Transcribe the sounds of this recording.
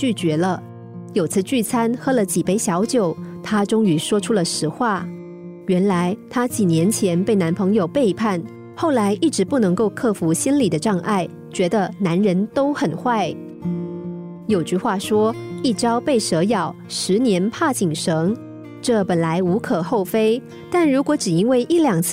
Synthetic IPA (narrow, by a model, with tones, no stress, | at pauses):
t͡ɕy˥˩t͡ɕɥɛ˧˥lə˧ | jo˨˩ʊt͡sʰɹ̩˥˧t͡ɕy˥˩t͡sʰa˥nxɤ˥lə˨t͡ɕi˨˩pe˥˩ɪɕjɑ˧˥ʊt͡ɕjo˨˩ʊt̪ʰa˥ʈ͡ʂʊ˥ŋy˧˥ʂwɔ˥ʈ͡ʂʰu˥lə˨ʂɻ̩˧˥xwa˥˩ | ɥɛ˧˥nla˧˥ɪt̪ʰa˥t͡ɕi˨˩njɛ˧˥nt͡ɕʰjɛ˧˥npe˥˩ɪna˧˥npʰɤ˧˥ŋjo˨˩ʊpe˥˧ɪpʰa˥˩n | xo˥˩ʊla˧˥ɪʔi˥˩ʈ͡ʂɻ̩˧˥pu˥˩nɤ˧˥ŋko˥˧ʊkʰɤ˥˩fu˧˥ɕi˥nli˨˩d̪ə˦ʈ͡ʂɑ˥˧ŋʔa˥˩ɪ | t͡ɕɥɛ˧˥d̪ə˧na˧˥nɻə˧˥nt̪o˥ʊxə˨˩nxwa˥˩ɪ | jo˨˩ʊt͡ɕy˥˧xwa˥˩ʂwɔ˥i˥˩ʈ͡ʂɑ˥ʊpe˥˩ɪʂɤ˧˥jɑ˨˩ʊʂɻ̩˧˥njɛ˧˥npʰa˥˩t͡ɕi˨˩ŋʂɤ˧˥ŋ | ʈ͡ʂɤ˥˩pə˨˩nla˧˥ɪu˧˥kʰɤ˨˩xo˥˩ʊfe˥ɪ | t̪a˥˩nɻu˧˥kwɔ˧˥ʈ͡ʂɻ̩˨˩i˥nwe˥˩ɪʔi˥˩ljɑ˨˩ŋʰ